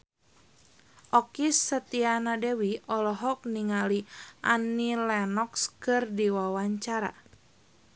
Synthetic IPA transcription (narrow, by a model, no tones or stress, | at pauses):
ʔɔkisːət̪ianadɛwiɔlɔɦɔk̚niŋaliʔanilɛnɔkskɨrdiwawaɲt͡ʃaɾa̰